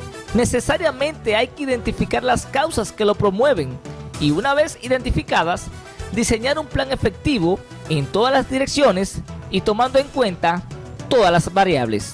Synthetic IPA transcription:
ne̞se̞saɾjamẽ̞nt̪e̞ajkeiðe̞nt̪ifikaɾlaskawsaske̞lo̞pɾo̞mwe̞βe̞ŋiunaβe̞siðe̞nt̪ifikaðas | d̪ise̞ɲaɾumplaŋe̞fe̞k̚t̪iβo̞ | ent̪o̞ðalazd̪iɾe̞ksjo̞ne̞sit̪o̞mãnd̪oeŋkwe̞nt̪at̪o̞ðalazbaɾjaβlḛs

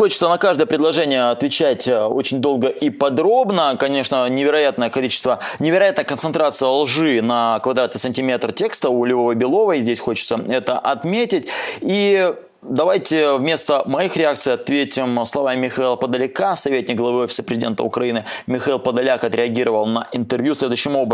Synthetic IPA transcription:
xot͡ɕɪt̪sənɐkaʐd̪əjəpɾʲɪd̪lˠɐʐɛnʲɪjəɐt̪vʲɪt͡ɕætʲo̞t͡ɕɪnʲd̪o̞lˠɡəʔipɐd̪ɾo̞bnəkɐnʲe̞ʂnənʲɪvʲɪɾɐjat̪nəjəkɐlʲit͡ɕɪ̥st̪vənʲɪvʲɪɾɐjat̪nəjəkənt̪sɨnt̪ɾat̪sɨjəlˠʐɨnɐkvɐd̪ɾat̪ɨsənʲtʲɪmʲe̞t̪rtʲe̞kst̪əʊlʲɪvovəjbʲɪlˠo̞vəizʲdʲesʲxo̞t͡ɕɪ̥t̪səɛt̪əʔɐt̪mʲetʲɪt̚ʲi | d̪ɐvajtʲɪvmʲe̞st̪əmɐixɾʲɪak̚t̪sɨjɐt̪vʲetʲɪmslˠɐvamːʲɪxɐilˠəpəd̪əlʲɪkasɐvʲetʲnʲɪk̚ɡlˠɐvɨofʲɪ̥səpɾʲɪzʲɪdʲe̞nt̪ə̰ʊ̰kɾɐinɨmʲɪxɐilˠpəd̪ɐlʲakɐt̪ɾʲɪɐɡʲiɾəvəlˠnəʔɪnt̪ɨrvjusʲlʲe̞d̪ʊjɕːɪmo̞bɾə

